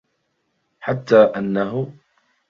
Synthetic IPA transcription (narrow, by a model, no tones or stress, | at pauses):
ħat̪ːaːʔanːaɦʊ